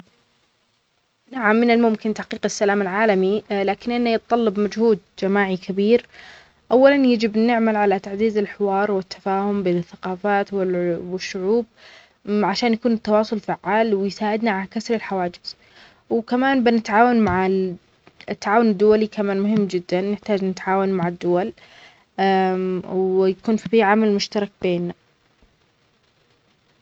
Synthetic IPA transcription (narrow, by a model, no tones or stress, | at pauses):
naʕamːɪnɪlmʊmkɪnt̪aħqiːqɪsːalaːmɪlʕaːlamilaːkɪnʔɪnːajɪt̪t̪ˤɑlːɑbmad͡ʒhuːd̪̚d͡ʒamaːʕikʰabiːɾ | ʔawːalanjad͡ʒɪbnɪʕmalʕalat̪aʕziːzɪlħɪwɑːɾˤwɪt̪ːḁfaːhʊmbeːnɪθːaqɑːfaːt̪wɪwɪʃːʊʕuːb̚ | ʕaʃaːnjakuːnɪt̪ːɑwɑːsˤʊlfaʕːaːlwɪjsaːʕɪd̪naʕaakasɾɪlħawaːd͡ʒɪz̥ | wkamaːnbɪnɪt̪ʕaːwanmaʕɪ | ɪt̪ːaʕaːwʊnɪd̪ːʊwalikamaːnmʊɦɪmːd͡ʒɪd̪ːanːɪħt̪aːd͡ʒnɪt̪ʕaːwanmaʕɪd̪ːʊwal | wjakuːnffiʕamalmʊʃt̪ɑɾˤɑk̚beːnːa